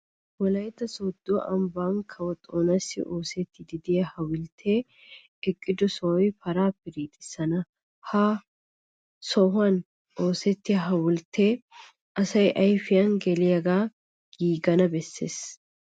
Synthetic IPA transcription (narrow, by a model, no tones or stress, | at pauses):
wɔlɐjt̪ːɐsod̪ːʊw̰ʔɐmbaːŋkʰɐwɔt̪ʼːoːnɐsːɪ̰ʔoːsɛt̪ːɪd̪ɪd̪ɪjɐhɐwʊlt̪ʰeː | ɪkʼːɪd̪ɔsɔwɔjpɐɾaːpːɛɾiːt̪ʼɪsːɐnɐ | haː | sɔhʊɐn | o̞ːsɛt̪ːɪjɐɦɐwʊlt̪ʰeː | ʔɐsɐjʔɐjfɪjɐnɡɛlɪjɐɡaː | ɡ̥iːɡɐnɐbɛsːeːs